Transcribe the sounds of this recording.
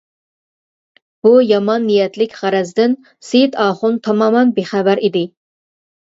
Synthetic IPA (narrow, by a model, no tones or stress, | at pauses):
b̥ujɑmɑnːijɛt̪lɪkʲʁæɾɛzd̪ɪn | set̪ʰɑːχʊnt̪ʰɑmɑːmɑnbeχævæɾid̪ɪ